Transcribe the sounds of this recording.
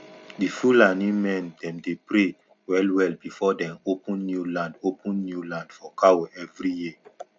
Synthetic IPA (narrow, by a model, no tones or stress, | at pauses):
difulãnĩmɛ̃ndɛ̃mdepɾe | wɛlwɛlbifɔdɛ̃mopə̃nːjulãndopʰə̃nːjulãndfɔkʰawoɛvɹiji